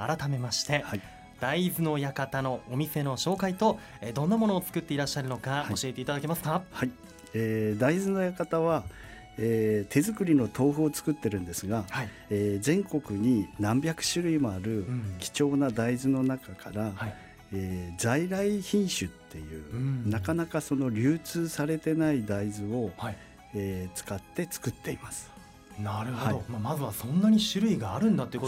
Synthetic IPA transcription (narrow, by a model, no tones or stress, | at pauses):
a̰ɾat̪ame̞maɕi̥t̪e̞hai | d̪̥aizɨno̞jakat̪ano̞ːmʲise̞no̞ɕo̞ːkait̪o̞ed̪õ̞nːamo̞no̞ːt͡sɨ̥kɯ̟t̪ːe̞iɾaɕːaɾɯ̟no̞kao̞ɕie̞t̪e̞it̪ad̪ake̞masɨ̥kahai | eːd̪aizɨno̞jakat̪aβa | eːt̪ʰe̞zɨkɯ̟ɾʲino̞t̪ʰo̞ːɸɯːt͡sɨ̥kɯ̟t̪ːe̞ɾɯ̟̃nd̪e̞sɨɡahai | eːzẽ̞ŋko̞kɯ̟ɲ̟inãmbʲakɯ̟̥ɕɨɾɯ̟imoaɾɯ̟kʲi̥t͡ɕo̞ːnad̪aizɨno̞nakakaɾahi | eːd͡zaiɾaiçĩɰ̃ɕɨt̪ʰːe̞jɯ̟̰ːnakanakaso̞no̞ɾʲɨːt͡sɨːsaɾe̞t̪e̞naid̪aizɨo̞ha | eːt͡sɨ̥kat̪ːe̞t͡sɨ̥kɯ̟t̪ːe̞imasɨ̥ | naɾɯhhoaomamazɨβasõ̞nːaɲ̟iɕɨɾɯ̟iɡaːɾɯ̟̃nd̪at̪oi